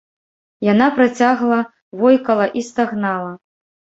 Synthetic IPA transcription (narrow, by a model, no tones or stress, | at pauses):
janapɾat͡sʲaɣlˠɐ | vɔjkɐlˠɐʔist̪aɣnalˠɐ